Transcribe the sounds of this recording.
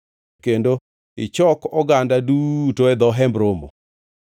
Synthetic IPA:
kendo | ɪt͡ʃɔkɔɡandadutoɛd̪ɔɦɛmbɾomo̰

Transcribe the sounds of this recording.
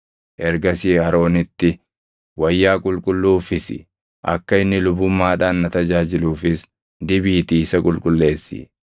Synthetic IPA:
ʔɛɾɡɐsiːɐɾo̞ːnɪt̪ːɪ | wɐjːaːkʼʊlkʼʊlːuːfɪsɪ̰ | ʔɐ̰kːɐɪnːɪlʊbʊmːaːᶑaːnːɐt̪ɐd͡ʒaːd͡ʒɪluːfɪs | d̪ɪbiːt̪iɪsɐkʼʊlkʼʊlːe̞ːsːɪ̰

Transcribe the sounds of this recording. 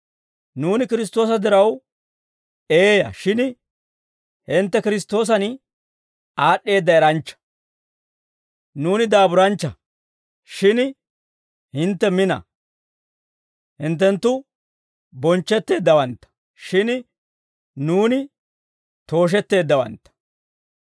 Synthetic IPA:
nuːnɪkɪɾɪs̬t̪o̞ːsɐd̪ɪɾɐw | eːjɐ̰ʃɪn | hɪnt̪ːɛkɪɾɪst̪o̞ːs̬ɐn | aːɗːe̞ːd̪ːɐɛɾɐnt͡ʃːɐ̥ | nuːnɪd̪aːbʊɾɐnt͡ʃːɐ | ʃɪn | hɪnt̪ːɛmɪnɐ̰ | hɪnt̪̬ːɛnt̪ːʊ | bɔnt͡ʃːɛt̪ːe̞ːd̪ːɐwɐnt̪ːɐ̥ | ʃɪn | nuːnɪ | t̪o̞ːʃ̬ɛt̪ːe̞ːd̪ːɐwɐ̰nt̪ːɐ̥

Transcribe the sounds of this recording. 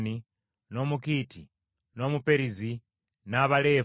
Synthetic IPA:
ni | nomukitʰi | nomupeɾizi | naβale

